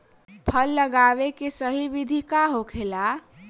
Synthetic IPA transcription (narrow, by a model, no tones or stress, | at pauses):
pʰəlːəɡaʋekesəɦiʋid̪ʱikaɦokʰela